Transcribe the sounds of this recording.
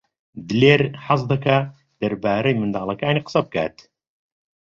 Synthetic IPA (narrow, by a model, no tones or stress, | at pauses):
d̪ɨleːɾħɑs̬d̪ɐkʰa | d̪̥ɐɾbaːɾɐjmɨnd̪aːlˠɐkaːniːqə̥sɐb̚kʰa̰ːt̪